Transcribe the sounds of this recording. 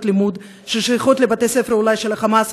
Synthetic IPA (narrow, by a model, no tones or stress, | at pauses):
t̪limud̪ | ʃeʃiχot̪levat̪esefeɾulajʃelaχamas